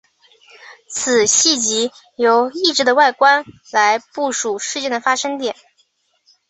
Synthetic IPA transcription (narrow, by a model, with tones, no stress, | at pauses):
t͡s̩ʰ˨˩ɕi˥˩t͡ɕi˧˥ | jo˧˥ʊi˥˩ʈ͡ʂɻ̩˧˥d̪ə˧wa˥˩ɪkwa˥nla˧˥ɪpu˥˩ʂu˨˩ʂɻ̩˥˧t͡ɕjɛ˥˩nd̪ə˩fa˥ʂɤ˥ŋt̪jɛ˨˩˦n